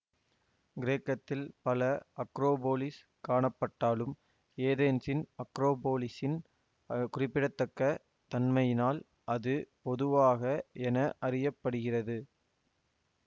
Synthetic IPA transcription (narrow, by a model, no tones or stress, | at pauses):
ɡɪɾeːkːɐt̪ːɪlpɐlɐɐkɾoːboːlɪs | kaːɳɐpːɐʈːaːlɯm | eːðeːnsɪnɐkɾoːboːlɪsɪn | kʊrɪpːɪɽɐt̪ːɐkːɐ | t̪ɐnmɐjɪnaːl | ʔɐðɯpɔðɯʋaːɣɐɛnɐʔɐrɪjɐpːɐɽɯɣɪrɐðɯ